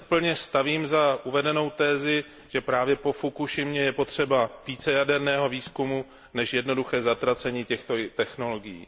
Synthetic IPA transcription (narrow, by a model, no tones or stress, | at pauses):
pl̩ɲɛst̪aviːmzaʔuvɛdɛno̞wt̪ɛːzɪ | ʒ̥ɛpɾaːvjɛpo̞fukuʃɪmɲɛjɛpo̞t̪r̝̥ɛbaviːt͡sɛjadɛɾnɛːɦo̞viːskumu | nɛʃjɛdno̞duxɛːzat̪ɾat͡sɛɲiːcɛxt̪ot̪ɛxno̞lo̞ɡɪjḭː